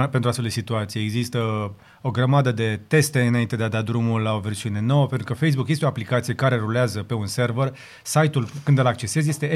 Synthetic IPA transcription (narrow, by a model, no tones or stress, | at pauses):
penɾat̪feld̪esit̪uat̪sijeeɡzist̪ə | o̞ɡɾəmad̪əd̪e̞t̪e̞st̪e̞ɨnaint̪e̞d̪ead̪ad̪ɾumullao̞ve̞rsiune̞no̞wəpent̪ɾukəfe̞js̬bukjest̪eo̞aplikat̪sijekaɾe̞ɾuleazəpe̞unse̞rver | sajt̪ulkɨnd̪əlak̚t͡ʃe̞se̞zje̞st̪e̞